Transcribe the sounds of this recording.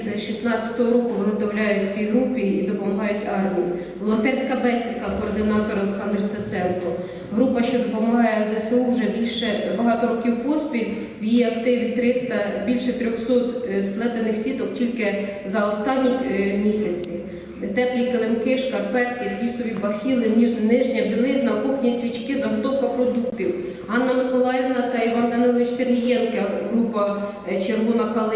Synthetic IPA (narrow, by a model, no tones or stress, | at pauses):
zʃisnɑt͡sʲɐ̥t̪ɔɦɔɾɔkʊʋɪɦɔt̪ɔwlʲɑjʊt͡sʲiɦɾupɪid̪ɔpɔmɐɦɑjʊtʲɑrmʲiji | ʋɔlˠɔnt̪ɛrʲsʲkɐbɛsʲinkɐkɔːrd̪ɪnɑt̪ɔɾɔlˠeksɑnd̪rst̪ɐt̪sɛnkɔ | ɦɾupɐʃt͡ʃɔd̪ɔpɔmɐɦɑjɛzɛseuwʒɛbʲilʲʃɛbɐɦɑt̪ɔɾɔkʲiwpɔspʲilʲ | wjiɐkt̪ɪʋʲit̪ɾɪst̪ɐbʲilʲʃɛt̪ɾʲɔxsɔt̪splˠɛt̪enɪxsʲit̪ɔktʲilʲkɪzɐɔst̪ɑnʲːimʲisʲɐt͡sʲi | t̪ɛplʲikelˠemkɪʃkɐrpɛt̪kɪxʋʲisɔʋʲibɐxʲilˠɪnʲiʒnnɪʒnʲɐbʲilˠɪznɐkɔxnʲisʲʋʲit͡ʃkɪzɐɦɔt̪ɔwkɐpɾɔd̪ukt̪ʲiw | ɦɑnːɐmɪkɔlˠɑjɪʋnɐt̪ɐiʋɑnd̪ɐnɪlˠɔʋɪt͡ʃserɦʲijɛnkɐɦɾupɐ | t͡ʃerɦɔnɐkɐlˠɪ